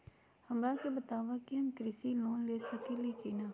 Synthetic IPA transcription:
hɐmɾakebət̪aːʋakiɦɐmkɾɪsiloːnleːsəkelekinaː

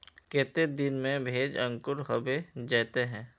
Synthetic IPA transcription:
kɛːt̪ed̪ɪnmẽbʱeːd͡ʒɐ̃ŋkʊɾɦɐbed͡ʒɛːt̪eɦɛ̃ː

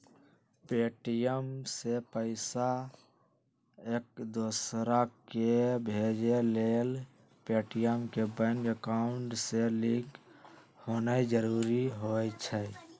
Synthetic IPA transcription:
peʈijəmsepəɪsa | eːk̚d̪osɾakebʱed͡ʒelel | peʈijəmkebə̃ŋɡəkaʊɳʈselik | honəd͡ʒəɾuːɾiɦojt͡ʃʰə

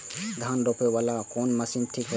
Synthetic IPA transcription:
ɡ̪ʱanɾɔpebalakɔnməsimt̪ʰik

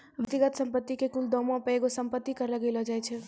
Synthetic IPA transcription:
ʋɪt̪ːiɡət̪sə̃mpət̪ːikekuld̪ɔmõpəeɡosəmpət̪ːikəɾləɡelɦɔd͡ʒajt͡ʃʰɛ

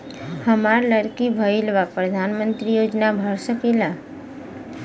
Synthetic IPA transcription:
həmaɾləɾkibʱəilʋapɾəd̪ʱanmə̃nt̪ɾijod͡ʒnabʱəɾsəkela

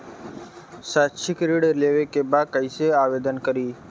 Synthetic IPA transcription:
satʃʰɪkɾiɽeleʋekebakəɪseaʋed̪ənkəɾiː

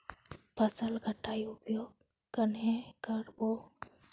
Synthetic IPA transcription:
pʰəsəlɡʱəʈːaːiʊpjoːɡ̚ | kənɦekəɾbo

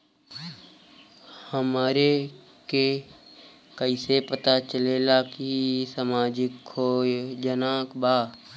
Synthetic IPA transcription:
həmaːɾe | ke | kəɪsepət̪at͡ʃəlelakisaːmaːd͡ʒɪkoːjd͡ʒənaːkbaː

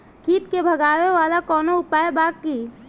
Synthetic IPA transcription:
kiːt̪kebʱəɡaːʋeʋaːlakɔːnoʊpaːjebaːkːiː

